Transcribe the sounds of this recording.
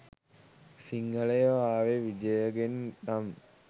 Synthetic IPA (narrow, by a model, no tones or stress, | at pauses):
siŋɡələjəʋaːʋeʋid͡ʒəjəɡennam